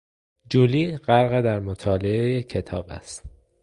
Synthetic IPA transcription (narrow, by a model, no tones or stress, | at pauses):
d͡ʒuliːɢæɾɣed̪æɾmot̪ʰɒːle̞ejecʰe̞t̪ʰɒːbæ̰st̪